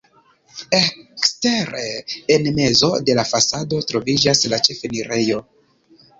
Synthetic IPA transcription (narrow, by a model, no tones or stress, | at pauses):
ekste̞ɾeenme̞zo̞̰de̞lafasado̞tɾo̞vid͡ʒaslat͡ʃe̞feniɾe̞jo̞